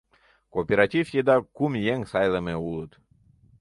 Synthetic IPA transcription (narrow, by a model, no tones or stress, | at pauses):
kopʲeɾat̪ʲifʲjid̪akumjeŋsajlˠəmeulˠət̪